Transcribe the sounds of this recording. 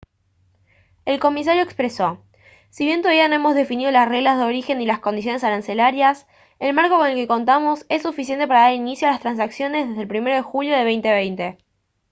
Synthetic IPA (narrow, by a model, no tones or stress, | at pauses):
elko̞mis̬aɾjo̞ekspɾeso̞ | siβje̞nt̪oaβiano̞emo̞zðe̞finið̞o̞lasreɣlazð̞eo̞ɾixe̞nilasko̞nd̪isjone̞saɾanse̞laɾjas | elmaɾko̞ko̞nelke̞ko̞nt̪̬amo̞se̞sːufis̬jent̪e̞paɾaðalinisjoalast̪ɾans̬aksjo̞nezðezðelpɾime̞ɾoð̞exuljo̞ð̞e̞β̞ejnt̪eβ̞ejnt̪e̞